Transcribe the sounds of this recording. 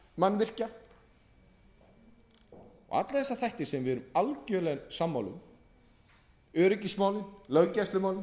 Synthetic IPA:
manːvɪr̥ca | ɔ̰ɣa̰t̪laθɛsːaθajht̪ɪɾ̥sɛmvɪðɛɾʏmalcœlɛɣnsamːawlʏ̰m | œːɾɪcismaːwlɪnlœɥcajst̪lʏmaːwlɪn

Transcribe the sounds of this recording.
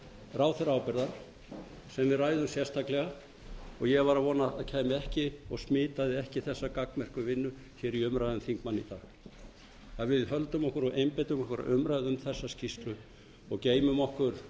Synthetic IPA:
raːwθɪɾaːwpɛɾðaɾ̥ | sɛmvɪðrajðʏmsjɛrst̪ʰaklɛɣa | ɔɣjɛɣvaɾaðvɔːnaaðcʰaːjmɪɛhcɪɔɣsmɪːt̪aðɪɛhcɪθɛsːakaknmɛr̥kʏvɪnːʏ | çɛɾiʏmɾajðʏmθiŋkmanːit̪a̰ː | aðvɪðhœlt̪ʏmɔhkʏɾɔɣʔejmpejt̪ʏmɔhkʏɾa̰ʏmɾajðɪʏmθɛsːascist̪lʏ | ɔɣceːjmʏmɔhkʏɾ̥

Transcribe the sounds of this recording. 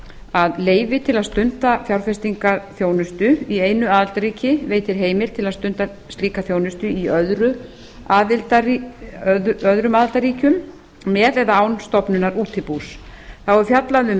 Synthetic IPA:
aðleːjvɪt̪ʰɪlaðst̪ʏnt̪afjawɾfɛst̪iŋkaθjoːwnʏst̪ʏieːjnʏaːðɪlt̪aɾiːcɪveːjt̪ɪɾ̥ɦeːjmɪlt̪ʰɪlaðst̪ʏnt̪a | st̪liːkaθjownʏst̪ʏiœðɾʏ | aːðɪlt̪aiðœðɾʏmaːðɪlt̪aɾiːcʏmː | ɛːðɛðaaːwnst̪ɔpnʏnaɾuːt̪ʰɪpusθawɛɾfjat̪laðʏm

